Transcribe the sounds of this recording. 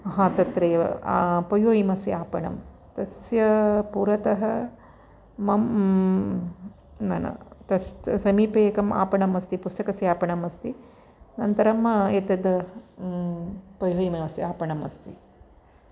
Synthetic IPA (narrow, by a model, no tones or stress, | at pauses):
ɐɦãːt̪ɐt̪ɾɐjɐpɐjoːjimɐsjaːpɐɳɐ̰m | t̪ɐsjɐpuːɾɐt̪ɐɦɐ | mɐm | nɐnɐ̰t̪ɐssɐmiːpeːkɐma̰ːpɐɳɐmɐst̪ipust̪ɐkɐsjaːpɐɳɐmɐst̪i | nɐnt̪ɐɾɐmɐet̪ɐd̪ | pɐjoːjimɐɐsiaːpɐɳɐmɐst̪i